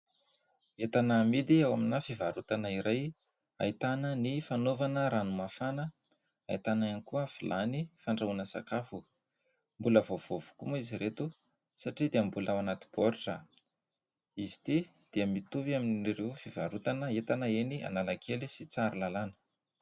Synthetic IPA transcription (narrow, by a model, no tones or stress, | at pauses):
et̪anəmid̪iawaminafivaɾut̪anaiɾaj | a̰it̪anənifanovanəɾanumafanə | a̰it̪anaanikuəfilʔanifaɳɖ͡ʐaunəsa̰kafu | mbuləvov̥ovu̥kumuiziɾet̪u | saʈ͡ʂid̪iəmbulʔawanat̪i̥b̥oɾiʈ͡ʂə | izi̥t̪id̪̥iəmit̪uviaminirewfivaɾut̪anəet̪anəenia̰nalakʰelisit͡saɾilalanə̥